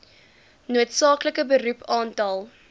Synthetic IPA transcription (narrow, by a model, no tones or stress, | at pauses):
nuətsɑːkləkəbəɾupɑːntɐlˠ